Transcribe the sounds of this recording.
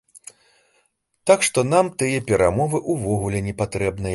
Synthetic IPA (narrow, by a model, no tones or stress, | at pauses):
t̪akʂt̪ɔnamt̪ɨjɐpʲɛɾʔamɔvɨʔuvɔɣulʲɛnʲɛpat̪ɾɛbnɐj